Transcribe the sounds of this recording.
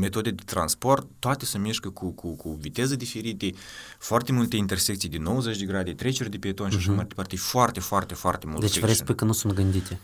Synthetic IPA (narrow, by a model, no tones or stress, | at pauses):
me̞t̪o̞d̪ed̪et̪ɾa̰nspo̞rt̪ːoat̪esəmeʃkəkʰukʰukʰuvit̪e̞zəd̪ife̞ɾit̪e | foart̪e̞mult̪e̞int̪e̞rsekt̪sijd̪eno̞wəzet͡ʃʲd̪eɡɾad̪et̪ɾe̞t͡ʃod̪epiet̪o̞nʃiaʃammajd̪ʲepart̪efoart̪e̞foart̪e̞foart̪e̞muld̪et͡ʃevɾespujkənusunt̪̚ɡɨnd̪it̪ʲe